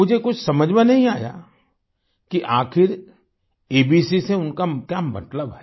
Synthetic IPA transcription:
ʊd͡ʒʱekʊt͡ʃʰsɐməd͡ʒmẽnɐɦĩaːja̰ː | kiʔaːxɪɾ | eːbiːsiseʊnkakjamɐ̰t̪ləbɦɛː

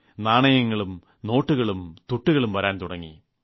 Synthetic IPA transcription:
naːɳɐjɐŋːɐɭum | no̞ːʈːuɣɐɭumt̪uʈːuɣɐɭumʋɐɾaːnt̪uɽɐŋːḭ

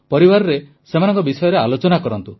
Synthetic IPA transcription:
pɔɾibaɾɔɾe | semanɔ̃ŋkɔbisɔjɔɾealot͡ʃɔnakɔɾɔnt̪u

